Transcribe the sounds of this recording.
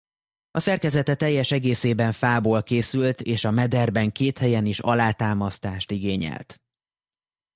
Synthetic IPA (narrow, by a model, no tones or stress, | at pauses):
ɒsɛrkɛzɛt̪ɛt̪ɛjːɛʃɛɡeːseːbɛɱfaːboːlkeːsylt̪eːʃɒmɛd̪ɛrbɛŋkeːt̪hɛjɛniʃɒlaːt̪aːmɒst̪aːʃt̪iɡeːɲɛ̰lt̪